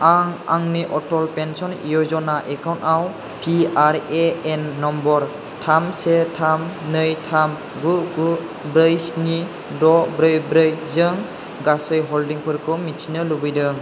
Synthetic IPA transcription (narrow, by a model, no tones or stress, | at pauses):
aŋa̰ŋniʔɔtɔlpensɔnḭjɔzɔnaʔekawntaw | pʰiaɾeenːɔmbɔɾ | tʰamsetʰamnɯjtʰam | ɡuɡu | bɾɯjsni | dɔbɾɯjbɾɯjzɯŋ | ɡasɯjɦɔldiŋpʰɯɾkʰɯmit͡ʃʰinɯlubɯjdɯ